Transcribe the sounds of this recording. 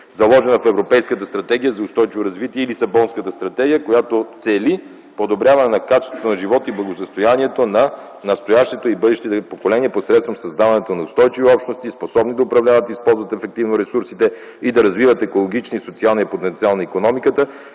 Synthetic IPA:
zɐlˠɔʒɛnəfɛvɾopɛjskət̪əst̪ɾɐt̪ɛɡ̟ijəzɐʊst̪ɔjt͡ʃivoɾɐzvit̪iɛilisɐbɔnskət̪əst̪ɾɐt̪ɛɡʲijəkojat̪ot̪sɛli | pod̪obɾʲavɐnɛnɐkat͡ʃɛ̥st̪vot̪onɐʒivɔt̪iblˠɐɡosəst̪ojaniɛt̪onɐ | nɐst̪ojaʃt̪ɛt̪oibɤd̪ɛʃt̪it̪ɛpokolɛniɛposɾɛt̪st̪vɐmsɐzd̪avɐnɛt̪onɐʊst̪ɔjt͡ʃiviɔpʃt̪nost̪isposɔbnid̪ɐʊpɾɐvlʲavət̪ispɔlˠzvət̪ɛfɛk̚t̪ivnoɾɛsuɾsit̪ɛ | id̪ɐɾɐzvivət̪ɛkolˠoɡ̟it͡ʃnisot̪sialˠnɐipot̪ɛnt̪sialˠnɐikonɔmikət̪ə

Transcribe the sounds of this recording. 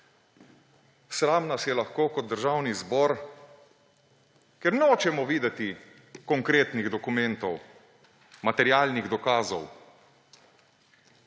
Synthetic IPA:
sɾaːmnasjɛlaxkoːkɔtd̪̚d̪əɾʒaːwnizbɔːɾ | kɛɾnɛoːt͡ʃɛmɔʋiːd̪ɛt̪i | kɔŋkɾeːt̪niɣd̪ɔkumɛnt̪ɔw | mat̪ɛɾjaːlniɣd̪ɔkaːzɔw

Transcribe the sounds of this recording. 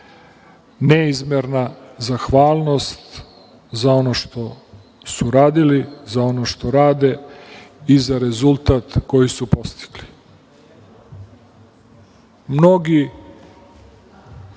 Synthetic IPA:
neizmeɾnazaxʋaːlˠno̞st̪ | zao̞noʃt̪o̞ | suɾaːd̪ilizao̞no̞ʃt̪o̞ɾaːd̪e̞ | izaɾe̞zulˠt̪at̪ko̞jisupo̞st̪i̥ɡ̥li̥ | mno̞ɡi

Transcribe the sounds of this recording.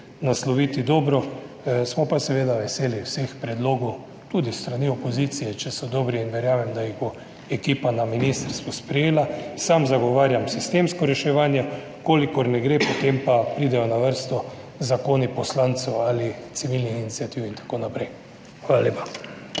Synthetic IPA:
naslɔʋiːt̪id̪ɔːbɾɔ | smɔpasɛʋeːd̪aʋɛseːliwsexpɾɛd̪loːɡɔw | t̪uːd̪ist̪ɾaniɔpoziːt̪sijɛt͡ʃɛsɔd̪ɔbɾiːnʋɛɾjaːʋɛmd̪ajiɣbo | ɛkiːpanaminist̪əɾst̪ʋuspɾɛjeːlasamzaɡɔʋaːɾjamsist̪eːmskɔɾɛʃɛʋaːnjɛ | koːlikɔɾnɛɡɾepɔt̪empapɾiːd̪ɛjɔnaʋəɾst̪ɔ | zakoːnipɔslant̪sɛwalit̪siʋilnixinit̪siat̪iːwint̪ḁkoːnapɾɛj | xʋaːlaleːpḁ

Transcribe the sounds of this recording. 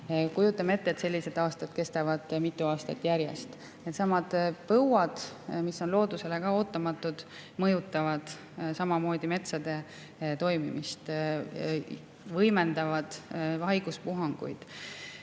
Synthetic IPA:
kujut̪ːˑɑme̞t̪ːet̪se̞lʲːise̞d̪̥ɑːst̪ɑd̪̥̚ke̞st̪ɑvɑd̪̥mit̪ːˑuɑːst̪ɑ̰t̪ːˑjæɾjḛst̪ | et̪sɑmɑd̪̥pɤwɑd̪̥misːo̞nlo̞ːd̪use̞le̞kɑo̞ːt̪ːˑɑmɑt̪ːˑud̪̥mɤjut̪ːˑɑvɑd̪̥ | sɑmɑmo̞ːd̪ime̞t̪sɑd̪̥e̞ | t̪o̞jmimist̪ | vɤjme̞nd̪ɑvɑd̪̥ɑjɡ̥uspuɦɑŋɡ̥ṵjd̪̥

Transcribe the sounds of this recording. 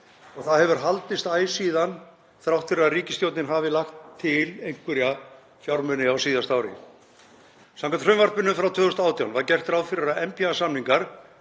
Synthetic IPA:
ɔɣθaðhɛvʏɾ̥ɦalt̪ɪst̪aːjsiːðan | θɾawht̪fɪɾɪɾaðriːcɪsc̪jowt̪nɪnɦaːvɪlaxt̪ʰːɪlejŋ̥kvɪɾja | fjawɾmʏnɪawsiːðast̪aːwɾɪ̰ | saŋkant̪r̥ʏmvaɾt̪mʏnːʏmfɾawt̪ʰvʏːðʏst̪aːwt̪jawnvaɾcɛr̥t̪ɾaːwfɪɾɪɾaɛmpiasamniŋkaɾ̥

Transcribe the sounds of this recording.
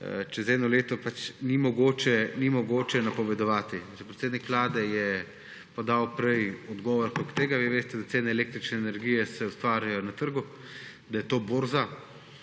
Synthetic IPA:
t͡ʃɛzɛːd̪nɔleːt̪ɔpat͡ʃnimɔɡoːt͡ʃɛnimɔɡoːt͡ʃɛnapɔʋɛd̪ɔʋaːt̪it͡ʃɛpɾɛt̪seːd̪nikʋlaːd̪ɛjɛ | pɔd̪awpɾɛjɔd̪ɡɔːʋɔɾkɾokt̪eːɡaʋiʋeːst̪ɛd̪at̪seːnɛːleːk̚t̪ɾit͡ʃnɛːnɛɾɡijɛsɛust̪ʋaːɾjajɔnat̪əɾɡu | d̪ajɛt̪oːboːɾza

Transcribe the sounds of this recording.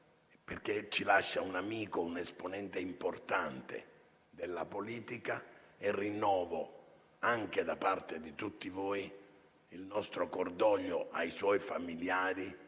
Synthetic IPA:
perk̟et͡ʃːilaʃːaunamiːkounesponɛnt̪eimport̪ant̪ḛ | d̪elːapoliːt̪ikaerːinːɔːvo | aŋk̟ed̪apart̪ed̪it̪ut̪ːivoːi | ilnɔst̪ɾokord̪ɔʎːoʔa̰jswɔjfamiljaːɾi

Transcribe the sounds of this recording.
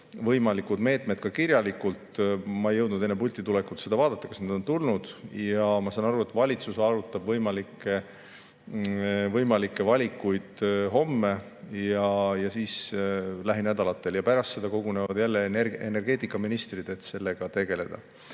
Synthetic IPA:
vɤjmɑlikːud̪me̞ːt̪ˑme̞d̪̥̚kɑkiɾjɑlikult̪mɑejɤwd̪nud̪e̞nːepulʲt̪ːˑit̪ulekult̪sed̪ɑvɑːd̪̥ɑt̪ːˑɑkɑsned̪o̞nt̪ulnud̪̥jɑmɑsɑnɑɾue̞t̪vɑlʲit̪susɑɾut̪ːˑɑb̥vɤjmɑlikːˑe̞ | vɤjmɑlikːˑe̞vɑlʲikːˑujd̪̥ɦo̞mːe̞ | jɑjɑsiːslæɦinæd̪̥ɑlɑt̪ːˑe̞ljɑpæɾɑst̪se̞d̪̥ɑko̞ɡ̥une̞vɑd̪̥jælːeneḛne̞rɡ̥e̞ːt̪ːˑikːˑɑminist̪rid̪e̞t̪se̞lːe̞ɡ̥ɑt̪e̞ɡe̞le̞d̪̥ɑ̰

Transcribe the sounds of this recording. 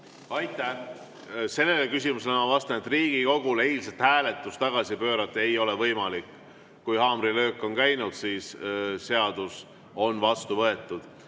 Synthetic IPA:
ɑjt̪ːˑæh | se̞lːe̞lekysʲimuselnɑvɑst̪ɑnet̪riːɡ̥iko̞ɡ̥ulejlset̪hæːle̞t̪ːˑust̪ɑɡ̥ɑsipø̞ːɾɑt̪ːˑe̞jo̞le̞vɤjmɑlikː | ujhɑːmrilø̞ːkːˑo̞nkæjnud̪̥siːsse̞ɑd̪̥us | o̞nvɑst̪uvɤe̞t̪ːˑud̪̥

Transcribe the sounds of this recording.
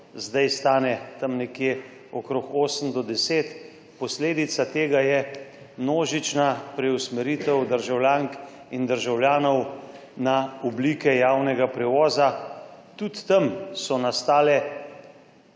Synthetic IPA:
zd̪ajst̪aːnɛt̪ɐmnɛkje | ɔkɾokoːsəmd̪ɔd̪ɛseːt̪ | pɔsleːd̪it̪sat̪eːɡajɛ | mnoːʒit͡ʃnapɾɛusmɛɾiːt̪ɛwd̪əɾʒawljaːŋk | ind̪əɾʒawlʲjaːnɔw | naɔbliːkɛjaːwnɛɡapɾɛʋɔːzat̪ut̪ːɐmsɔnast̪aːlɛ

